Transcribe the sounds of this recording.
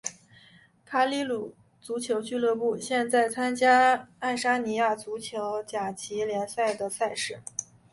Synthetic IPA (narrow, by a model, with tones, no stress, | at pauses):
kʰa˥˩li˥lu˨˩ | t͡su˧˥t͡ɕʰjo˧˥ʊt͡ɕy˥˧lɤ˥˧pu˥˩ɕjɛ˥˧nt͡sa˥˩ɪt͡sʰa˥nt͡ɕja˥a˥˩ɪʂa˥ni˧˥ja˥˩t͡su˧˥t͡ɕʰjo˧˥ʊt͡ɕja˨˩t͡ɕʰi˧˥ljɛ˧˥nsa˥˩ɪd̪ə˩sa˥˧ɪʂɻ̩˥˩